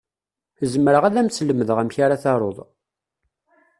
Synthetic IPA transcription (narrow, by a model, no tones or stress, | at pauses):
zəmɾəʁæðæmsləməðəʁæmçaɾaθɑɾˤoðˤ